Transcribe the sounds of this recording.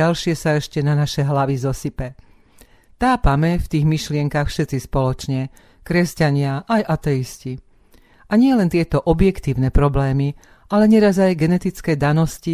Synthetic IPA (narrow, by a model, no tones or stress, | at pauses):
alʃɪɛsaɛʃcɛnanaʃɛɦlaʋizɔsipɛ | t̪aːpamɛft̪iːɣmiʃlɪɛŋkaxfʃɛt̪t͡sispɔlɔt͡ʃɲɛ | kɾɛscaɲɪaʔajʔat̪ɛisci | ʔaɲɪɛlɛnt̪ɪɛt̪ɔʔɔbjɛkt̪iːʊnɛpɾɔblɛːmi | alɛɲɛɾazajɡɛnɛt̪it͡skɛːd̪anɔsci